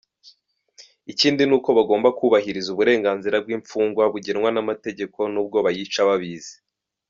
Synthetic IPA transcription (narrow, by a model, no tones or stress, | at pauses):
iciːndinuːko̞βaɡo̞ːmbakuβaɦiɾizuβuɾe̞ːŋɡaːnziɾab̚ɡiːɱfuːŋɡwaβuɟeɾŋwanamate̞ɟe̞ko̞nuːb̚ɡo̞βajit͡ʃaβaβiːze̥